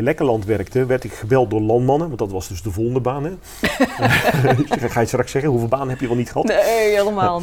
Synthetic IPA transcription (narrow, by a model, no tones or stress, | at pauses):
lɛkəlɑntʋɛrktəʋɛrtɪkχəbɛlˠt̚doːɹlɑntmɑnənʋɑndɔtʋɑsdɵsdəvolˠəndəbaːnə | χaːjəstrɑksɛɣənuvɪːlˠbaːnənɦɛpjəʋɛlˠnitχəɦɑteeləmaːlˠ